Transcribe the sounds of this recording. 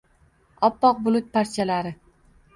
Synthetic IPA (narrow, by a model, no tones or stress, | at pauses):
ɒpːɒq̚bʊlˠʊt̪̚paɾt͡ʃʰalaɾɪ